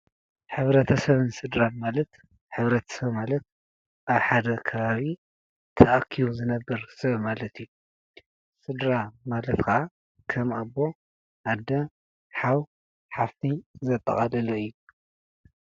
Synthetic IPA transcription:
ħɨβɾɐt̪ʰɐsɐβɨnsɨd̪ɾanmalɐt̪ | ħɨβɾɐt̪ʰɐ̥sɐβmalɐt̪̚ | ʔaβħad̪ɐkʰɐβaβi | t̪ʰɐʔakʰːiβuzɨnɐbːɐɾsɐβmalɐt̪ʰiju | sɨd̪ɾamalɐt̪kʰɐʔa | kʰɐmabːo̞ | ʔad̪ːɐ | ħaw | ħaft̪ʰizɐt̪ʼːɐ̰χʼɐlɨloɨjːu

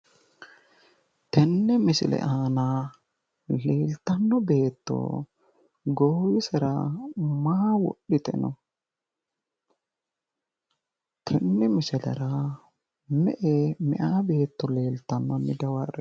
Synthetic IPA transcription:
t̪ɛnːɛmɪsɪ̰lɛ̰ʔaːnaː | leːlt̪ːɐnːɔbe̞ːt̪ːɔ̰ | ɡɔhʊɪsɛɾɐ̰maawɔ̰ɗːɪt̪ʼɛ̰nɔ̰ | t̪ʰɛnːɛmɪsɪlɛ̰ɾa | mɛʔemɛʔaːbe̞ːt̪ːɔle̞ːlt̪ːɐmːɐmɪd̪ɐwɐrɛ

